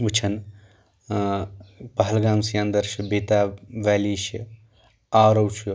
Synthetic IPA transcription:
ut͡ʃʰɐn | pɐɦɐlɡaːmsijãːnd̪ɐɾʃɐbeːt̪aʋɛːliːʃi | aɾɐwt͡ʃʰu

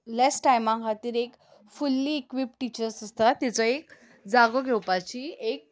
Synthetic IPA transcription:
lɛsʈajmãŋkʰat̪iːɾek | fulːiːkʋip̚ʈit͡ɕəɾsəst̪at̪ɛt͡sɔek | d͡zaɡɔɡʱewpat͡ɕiek̚

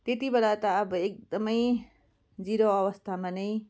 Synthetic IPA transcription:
t̪et̪ibelat̪ʌːbʌek̚d̪ʌmʌj | d͡ziɾoʌʋʌst̪ʰamanʌj

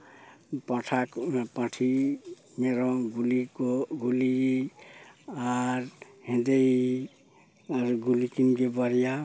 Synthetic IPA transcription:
pʌʈʰakpʌʈʰi | meɾoɡulikoɡuli | aɾ | ɦĩd̪ej | aɾuɡulikinɡebʌɾija

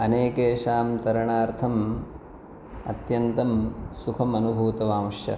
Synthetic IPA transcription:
ɐneːkeːʃaːmt̪ɐɾɐɳaːɾt̪ʰɐm | ɐ̰t̪jɐnt̪ɐmsukʰɐmɐnubʱuːt̪ɐʋaːmɐʂjɐ̰

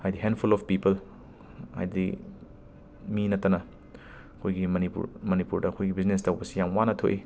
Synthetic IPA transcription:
hajdiɦendpʰulɔfpipɐl | ha̰jdi | minɐtːɐnɐ | ɐkʰojɡimɐnipṵɾmɐnipuɾdɐːkʰojɡibiznestɐwbɐsijaŋwanɐtʰo̰ʔi

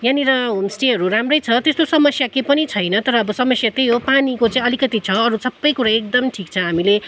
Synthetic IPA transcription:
janiɾʌɦomsʈeɦʌɾuɾamrʌjt͡sʰʌt̪est̪osʌmʌsjakepʌnit͡sʰʌjnʌt̪ʌɾʌːbʌsʌmʌsjat̪ejɦopanikot͡sãĩʌlikʌt̪it͡sʰʌʌɾusʌbːʌjkuɾaek̚d̪ʌmʈʰikt͡sʰʌɦamile

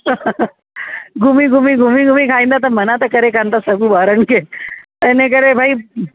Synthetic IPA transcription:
ɡʱumiːɡʱumiːɡʱumiːɡʱumiːkʰaĩnd̪at̪̬əɾmənat̪əkəɾekʰãnt̪asəɡuːʋaɾəɳket̪ɛnek̬əɾebʱai

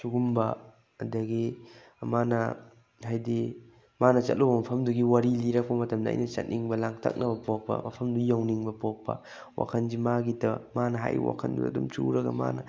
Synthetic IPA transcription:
suɡumbɐ | ɐdɐɡi | manɐ | hajdi | manɐt͡ʃɐ̰t̚lʔowbɐmɐpʰɐmduɡiwaɾiliɾɐk̚pɐmɐtɐmdɐ̰ːjnɐt͡ʃɐ̰t̚nʔiŋbɐlaŋtʰɐ̰k̚nɐbɐpok̚pɐ̰mɐ̰pʰɐmdujawniŋbɐpok̚pɐ̰ | wʔa̰kʰɐnzimaɡitɐmanɐɦa̰j̰wa̰kʰɐ̰ndṵdɐ̰dumt͡ʃṵɾɐɡɐ̰ma̰nɐ

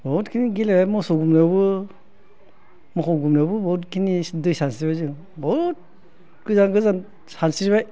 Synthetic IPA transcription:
bɔtkʰiniɡilabajmɔsɔɡumnabɯ | mɔkʰɔwɡumnabɯbɔtkʰinidɯjsansiɾbajzɯŋ | bɔt̚ | ɡ̥ɯzaŋɡɯzan | sansiɾbaj

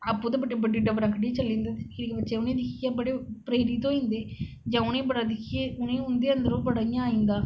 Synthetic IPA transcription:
ɐpːũːt̪eːbəʈːeːbəɖiːɖəʋɾə̃ŋkʰəʈiet͡ʃəlːĩːnd̪eːeɾikebətːʃeːʊnẽːd̪ɪkʰijãːbəɽeːpɾeːɾiːt̪õːĩnd̪eː | d͡ʒãːʊnẽːbəɽaːd̪ɪkʰːijeʊnẽːʊnd̪eːənd̪əɾõbəɽaːjãaːĩnd̪aː

